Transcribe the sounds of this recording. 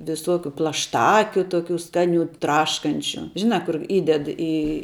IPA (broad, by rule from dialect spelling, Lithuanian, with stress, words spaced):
ʋʲɪˈsoːkʲʊ plˠɐʃˈtɑːkʲʊ ˈtoːkʲuː ˈskɑːˌnʲuː ˈtrɑːʃkɐnʲt͡ʃʲʊ ˈʒʲɪnɑː ˈkʊr ˈiːdʲɛt iː